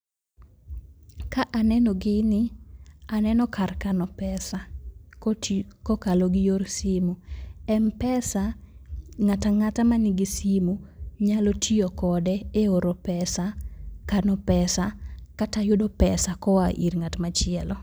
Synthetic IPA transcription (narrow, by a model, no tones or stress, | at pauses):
kaʔanɛnɔɡɪnɪanɛnɔkarkanɔpɛsa | kɔkaloɡɪjorsimuɛmpɛsa | ŋataŋatamanɪɡɪsimuɲalotʰiokɔdɛeoɾopɛsakanɔpɛsakatajʊdɔpɛsakɔaʔḭrŋatmat͡ʃɪɛlɔ